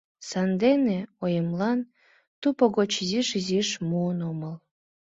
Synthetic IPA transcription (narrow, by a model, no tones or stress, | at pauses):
sɑnd̪eneojəmlɑn | t̪upoɣot͡ɕiziʃiziʃmuənoməl